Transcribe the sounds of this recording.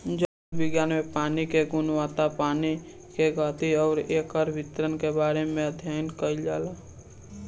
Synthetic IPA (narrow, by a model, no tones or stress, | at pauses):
d͡ʒa | bɪɡjaːnmẽpaːnikeɡʊnwaːt̪apaːni | keɡaːt̪iɔːɾeːkəɾbɪt̪ɾənkebaːɾemẽəd̪ʱjaːjnkəid͡ʒaːla